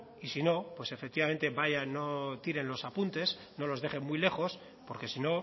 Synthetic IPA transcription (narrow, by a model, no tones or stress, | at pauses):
isino̞pwe̞se̞fe̞k̚t̪iβame̞nt̪e̞βaʝano̞t̪iɾe̞nlo̞sapunt̪e̞s | no̞lo̞zðe̞χe̞mmwile̞xo̞s | po̞ɾke̞sino̞